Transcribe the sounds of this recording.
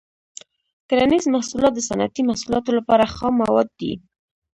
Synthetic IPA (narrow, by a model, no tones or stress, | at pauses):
kaɾanizmːahsulɑt̪̚d̪əsana̰t̪imahsulɑt̪olapɑɾaxɑmawɑd̪̚ːḭ